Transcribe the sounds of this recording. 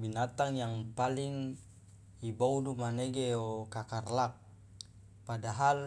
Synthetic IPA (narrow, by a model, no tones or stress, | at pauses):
binat̪aŋjaŋpaliŋ | iboudumaneɡeɔkakarlak̚ | padaɦal